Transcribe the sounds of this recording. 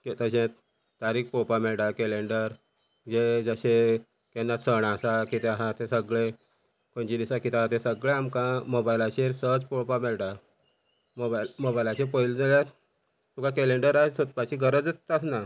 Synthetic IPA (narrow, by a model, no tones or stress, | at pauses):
ket̪əɕẽt̪ | t̪aɾiːk̚popameɭʈakɛleɳɖəɾ | d͡ʑed͡zəɕe | kɛnːat̪səɳasakit̪eɦat̪esəɡɭe | koɳt͡ɕid̪isakit̪eɦat̪esəɡɭeamkãmobajlat͡ɕeɾsət͡spopamɛlʈa | moamobajlat͡ɕepəjld͡zəlja | t̪ukakɛleɳɖəɾasot̪̚pat͡ɕiɡʱəɾəd͡zasna